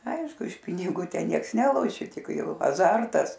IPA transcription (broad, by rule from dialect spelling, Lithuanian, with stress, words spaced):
ˈɐɪʃkʊ ɪʃ pʲɪnʲɪˈɡuː ˈtʲɛn ˈnʲiɛks ˈnʲæːlˠoːʃʲɪ ˈtʲɪk ˈjɛʊ ɐˈzɐrtɐs